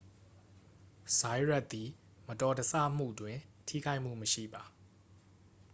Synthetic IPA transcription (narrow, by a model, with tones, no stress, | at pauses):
sa˨ɪɹɛ˦ʔt̪t̪ːi˨ | mətɔ˨dəsä̰˦˨m̥ṵ˦˨dwɪ̃˨tʰḭ˦˨ɡa˦ɪʔm̥ṵ˦˨məʃḭ˦˨ba˨